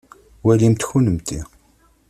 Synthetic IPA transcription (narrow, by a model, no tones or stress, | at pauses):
wælimt̪çunəmt̪i